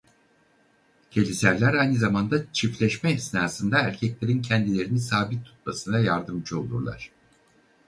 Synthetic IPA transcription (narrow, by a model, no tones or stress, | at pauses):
cʰe̞lʲisæɾlʲæɾajnɯzamand̪at͡ʃʰiflʲɛʃmɛisnaːsɯnd̪aæɾcʰɛclʲe̞ɾincʰɛnd̪ilʲe̞ɾinisaːbit̪ʰːu̥t̪̚masɯnd̪ajaɾd̪ɯmd͡ʒɯo̞̰lˠṵɾlˠa̰ɾ̥